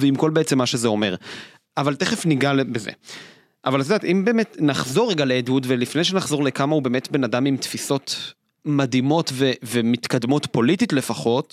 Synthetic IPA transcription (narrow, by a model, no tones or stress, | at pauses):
veimko̞lbeet͡se̞mːaʃe̞zeo̞me̞ʁ | avalteχefniɡalbezḛ | ʔavaltdat̪ʔimbeːmetnaχzo̞ʁeɡaleedutvelifnejʃ̬e̞naχzo̞ʁlekamaube̞ːme̞tbe̞nadamimtfiso̞t | madimo̞tvevemit̪kadmo̞tpo̞lititle̞faχo̞t